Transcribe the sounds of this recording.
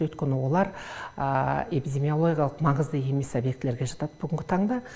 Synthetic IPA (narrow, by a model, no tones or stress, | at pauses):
wɵt̪kʲe̞nɪwo̞lˠɑɾəe̞pid̪ʲe̞mijo̞lˠo̞ɡʲjalˠəqmɑɴəzd̪əje̞me̞sobje̞k̚t̪ɪleɾɡʲe̞ʒɑt̪ɑd̪̥əb̥ʏɡʲɪŋɡʲɪt̪ʰɑɴd̪ɑ